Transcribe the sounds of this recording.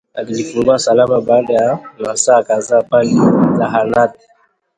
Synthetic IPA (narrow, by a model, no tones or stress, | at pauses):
akilifuɡasalamabadajanasaːkazapalilaɦanat̚